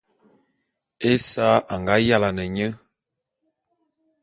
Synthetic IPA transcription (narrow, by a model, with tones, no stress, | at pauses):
e˦sa˦ʔa˨ŋɡa˨˦ja˦la˨nə˨ɲə˦